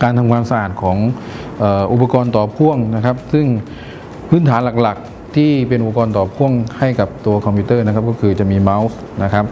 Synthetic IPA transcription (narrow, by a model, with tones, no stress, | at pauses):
kaː˧nt̪ʰa˧ŋkʰwaː˧msa˧ʔaː˨˩t̪̚kʰɔː˩˦ŋʔːʔu˨˩pːa˧kɔː˧nt̪ɔː˨˩pʰu˥˩əŋna˦˥kʰa˦˥p̚sɯ˥˩ŋ | pʰɯː˥˩nt̪ʰaː˩˦nla˨˩k̚la˨˩k̚ | t̪ʰiː˥˩pe˧nʔu˨˩pa˧kɔː˧nt̪ɔː˨˩pʰu˥˩əŋha˥˩jka˨˩p̚t̪u˧ɐkʰɔ˧mpʰiː˧˥t̪ɤː˥˩na˦˥kʰa˦˥p̚kɔː˥˩kʰɯː˧t͡ɕa˨˩ʔmiː˧ma˦˧˥ws | na˦˥kʰa˦˥p̚